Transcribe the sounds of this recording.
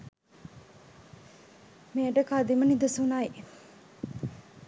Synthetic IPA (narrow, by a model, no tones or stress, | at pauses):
meːəʈəkad̪imənid̪əsunaj